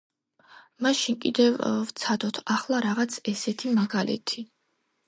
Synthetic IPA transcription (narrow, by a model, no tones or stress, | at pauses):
maʃinkʼid̪ɛvvt̪sʰad̪ɔt̪ʰaχlˠaɾaʁat̪sʰɛsɛt̪ʰimaɡalɛ̰t̪ʰi